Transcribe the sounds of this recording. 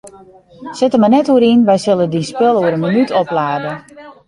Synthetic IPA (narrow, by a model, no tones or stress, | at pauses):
sɪtəmənɛtuəɾinʋɛjsɪlˠədinspɪlˠuəɾənmənytʰɔplaːdə